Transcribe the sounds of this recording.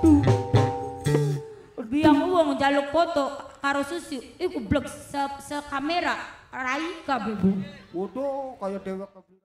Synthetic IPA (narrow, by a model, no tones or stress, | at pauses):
bijaŋuwɔŋd͡ʒalʊkːɔt̪ɔkaɾosusiikublɔk̚səsəkameɾaraikabɛbuwodokajadewɛk